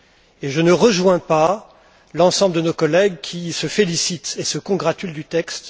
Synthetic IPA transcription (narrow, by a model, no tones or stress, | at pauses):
eʒənəʁəʒwɛ̃pa | lɑ̃sɑ̃bləd̪ənokɔlɛɡkʲʰisəfelisit̪esəkɔ̃ɡʁat̪yld̪yt̪ɛkst̪